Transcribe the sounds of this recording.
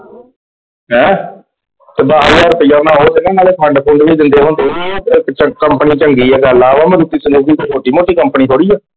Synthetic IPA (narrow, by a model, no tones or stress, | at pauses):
ɦɛ̃ː | t̪ebaːaːɾpəjaːnaːɦoːd͡ʒɪnẽːnaːleːpʰəɳɖpʰõːɳɖʋiːd̪ɪnd̪eːɦoːnd̪eːdiɛekt͡ʃəkəmpəniːt͡ʃəŋɡiːɛːɡaːlaːʋaːmə̃ɾuːt̪ːiːsənuːɡiːt̪emoːʈiːmoːʈiːkəmpəniːɦoːɽiːɛː